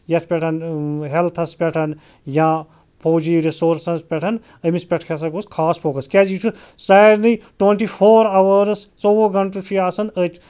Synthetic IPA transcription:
jɐt̪ʰpʲeʈʰɐnɦelt̪ʰɐspʲɛʈʰɐn | jãː | pʰoːd͡ʒiːɾisoːɾsɐnspʲɛʈʰɐn | əmispʲeʈʰkʰas̬ɐɡoskʰaːspʰoːkɐskʲaːd͡ʒiːt͡ʃʰusaːɾniʈweɳʈipʰoːɾaʋɐɾst͡soʋoɡɐɳʈut͡ʃʰijaːsɐnət

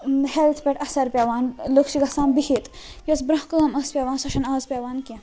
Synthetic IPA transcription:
helt̪ʰpʲeʈʰɐsɐɾpʲjaːʋaːnlokʃiɡʱɐsaːmbihit̪ | jɐsbɾɐɦkɐːmɐspʲjaːʋaːnsɐʃɐnaːzpʲjaːʋaːnkʲẽ

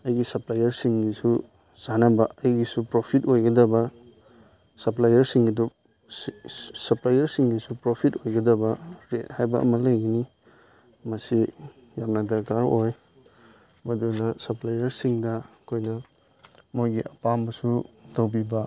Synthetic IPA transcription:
ɐjɡisɐplajɐɾsiŋdisu | z̥anɐbɐɐjɡisupɾopʰitojɡɐdɐbɐ | sɐplajɐɾsiŋɡidu | sɐplajɐɾsiŋdisupɾopʰitojɡɐdɐbɐɾet̚hajbɐ̰ʔɐ̰mɐlɐjɡɐni | mɐsi | jamnɐdɐɾkaɾoj | mɐdunɐsɐplajɐɾsiŋdɐ | kʰojnɐ | mojɡiʔɐpambɐsutɐwbibɐ

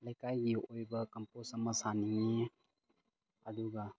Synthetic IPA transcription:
lejkajɡiojbɐkɐmposɐmɐsaniŋi | aduɡa

